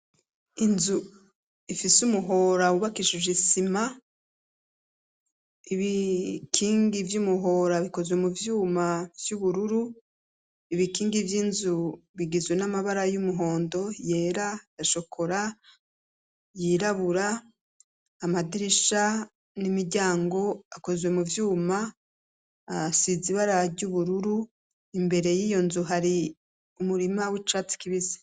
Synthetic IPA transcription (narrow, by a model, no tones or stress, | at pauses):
inzu | ifisumuɦo̞ɾauβakiʃiʒisima | iβikʰiːŋɡivjumuɦo̞ɾaβiko̞zwe̞muvjuːmavjuβuɾuɾu | iβikiːŋɡivjinzuβiɡizwe̞namaβaɾajumuɦo̞ːndo̞je̞ːɾajaʃo̞kʰo̞ɾa | jiɾaβuɾa | madiɾiʃa | nimiɾɟaːŋɡo̞ako̞zwe̞muvjuːma | siziβaɾaaɾɟuβuɾuɾu | imbe̞ɾe̞jiːjo̞nzuɦaɾi | umuɾimawit͡ʃat͡si̥kiβizi̥